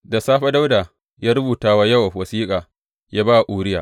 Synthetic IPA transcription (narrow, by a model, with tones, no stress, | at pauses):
da˨saː˦ɸa˦da˦wdaː˨ | jaː˦ɾʊ˦buː˨taː˦waː˦jɐ˦wa˨wɐ˨siː˦kʼaː˨ | jaː˦baː˦˨a˨ʔʷuː˨ɾɪ˦jaː˨